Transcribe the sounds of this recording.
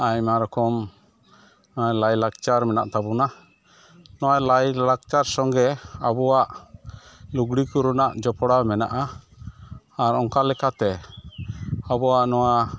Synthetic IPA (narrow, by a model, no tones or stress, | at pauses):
aɲmaɾɔkɔm | nɔalajlaɡt͡ʃaɾmɛna̰ʔt̪abuna | nɔwalajlaɡ̚t͡ʃaɾsɔŋɡɛabɔwaʔ | luɡɽikuɾunaʔd͡ʒɔpɔɽamɛna̰ʔa | ɾɔŋkalɛkat̪ɛ | abɔwaʔnɔwa